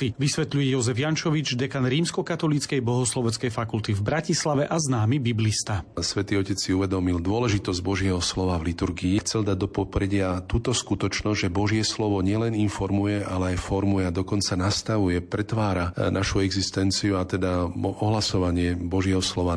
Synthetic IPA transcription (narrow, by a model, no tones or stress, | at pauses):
iʋisʋɛt̪ʎujɛjɔzɛvjant͡ʃɔʋid͡ʒd̪ɛkanɾiːmskɔkat̪ɔlit͡skɛjbɔɦɔslɔʋɛnt͡skɛjfakult̪ivbɾacislaʋɛʔaznaːmibiblist̪asʋɛt̪iːɔcɛt͡ssiuʋɛd̪ɔmild̪ʊɔlɛʒit̪ɔzɟbɔʒɪɛɦɔslɔʋavlit̪uɾɡiːxt͡sɛld̪aɟ̚d̪ɔpɔpɾɛɟɪat̪uːt̪ɔskut̪ɔt͡ʃnɔzʒɛbɔʒɪɛslɔʋɔɲɪɛlɛninfɔɾmujɛalɛajfɔɾmujɛad̪ɔkɔnt͡sanast̪aʋujɛpɾɛt̪ʋaːɾanaʃuɛɡzist̪ɛnt͡siuat̪ɛd̪aɔɦlasɔʋaɲɪɛbɔʒɪɛɦɔslɔʋa